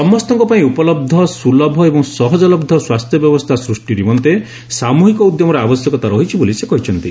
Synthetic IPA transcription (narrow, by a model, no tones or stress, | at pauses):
sɔmːɔst̪ɔŋkɔpaĩupɔlɔb̚d̪ʱɔsulɔbʱɔebɔŋsɔɦɔd͡ʒɔlɔbd̪ʱɔswast̪ʰjɔbjɔbɔst̪ʰasɾusʈiɾimɔnt̪e | samuɦikɔud̪jɔmɔɾeabɔsjɔkɔt̪aɾɔɦit͡ʃʰibolisekɔɦit͡ʃʰɔnt̪i